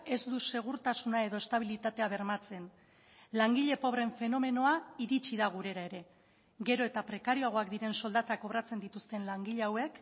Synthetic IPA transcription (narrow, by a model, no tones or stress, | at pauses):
e̞zd̪use̞ɣ̞uɾt̪asunae̞ðo̞est̪aβ̞ilit̪at̪e̞aβe̞ɾmat͡se̞n | laŋɡiʎe̞po̞βre̞ɱfe̞no̞me̞no̞aiɾit͡ʃiðaɣ̞uɾe̞ɾae̞ɾe̞ | ɡe̞ɾo̞e̞t̪apɾe̞kaɾioaɣ̞o̞akd̪iɾe̞nso̞ld̪at̪ako̞βɾat͡se̞nd̪it̪ust̪e̞nlaŋɡiʎeawe̞k